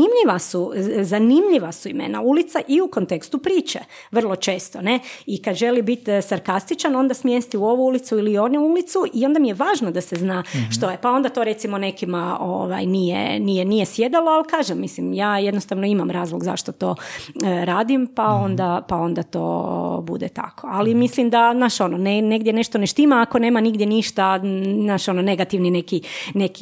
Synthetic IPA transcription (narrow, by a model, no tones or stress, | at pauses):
imʎiʋasuzanimʎiʋasuimḛna̰ulit̪saʔiukont̪e̞kst̪upɾiːt͡ʃḛ | ʋr̩lˠo̞t͡ʃe̞ːst̪o̞ne̞ikad̪ʒe̞libit̪saɾkast̪it͡ʃano̞nd̪asmjest̪iuo̞ʋuulit̪suilio̞nuulit̪suʔio̞nd̪amijeʋaːʒnod̪aseznaːʃt̪o̞jepao̞nd̪at̪o̞ɾe̞t̪imo̞ne̞kimao̰ʋa̰jnijḛnijenijesje̞d̪alˠoalkaːʒemːislimjaːjed̪nost̪aʋnoimamɾaːzlˠoɡza̰ʃt̪ot̪o̞ | ɾaːd̪impao̞nd̪apao̞nd̪at̪o̰ːbṵd̪et̪a̰kʰo̞alimislimd̪anaʃo̞nonene̞ɡd̪jene̞ʃt̪oneʃt̪imaːko̞ne̞ːmaniɡd̪jeniʃt̪anaʃo̞none̞ɡat̪iʋnine̞kine̞ki